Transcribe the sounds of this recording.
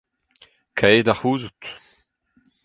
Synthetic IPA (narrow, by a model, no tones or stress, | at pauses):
kʰajdaχuːzut